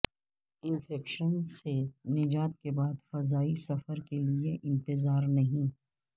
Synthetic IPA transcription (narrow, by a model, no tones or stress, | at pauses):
ɪ̃nfɛːkʃənsenɪd͡ʒaːt̪kebaːd̪fɐzaːisɐfəɾkelieʔɪ̃nt̪ɪzaːɾnɐɦĩː